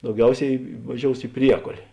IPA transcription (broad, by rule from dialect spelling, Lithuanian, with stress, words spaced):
dɐʊˈɡʲɛʊsʲɛɪ ʋɐˈʒʲoːʊs ɪ ˈpʲrʲiɛkoːlʲeː